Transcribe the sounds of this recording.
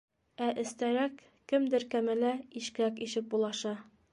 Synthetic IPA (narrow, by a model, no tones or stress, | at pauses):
æʔɘ̆st̪æɾækː | ɘmd̪ɘɾkæmɘlæiʃkɘ̆ɾækiɕɘp̚bulˠɑʃɑ